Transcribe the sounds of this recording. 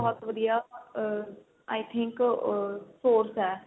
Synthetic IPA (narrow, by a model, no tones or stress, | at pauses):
ɔɦɔt̪ʋəd̪ijaː | aːɪt̪ʰɪŋk | soːɾsɦɛː